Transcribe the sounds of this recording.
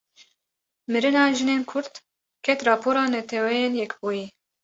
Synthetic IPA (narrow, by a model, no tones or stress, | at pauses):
mɨɾɨnɑːʒɨneːnkʰʊɾt̪ | kʰɛt̪rɑːpʰoːɾɑːnɛt̪ʰɛwɛjeːnjɛkbuːji